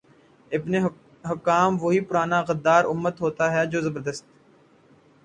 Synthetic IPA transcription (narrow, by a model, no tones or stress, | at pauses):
ɪbne | ɦɐkːaːmʋoɦipʊɾaːnaɣɐd̪ːaːɾʊmːət̪ɦoːt̪aɦɛd͡ʒoːzɐbəɾd̪əst̪